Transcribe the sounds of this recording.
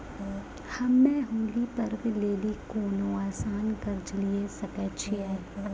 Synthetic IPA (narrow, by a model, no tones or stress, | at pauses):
hɐmːɛ̃ːɦũːlipɐɾʋleːlikoːnõaːsaːnɡɐɾd͡ʒliesɐkɛt͡ʃʰiɛː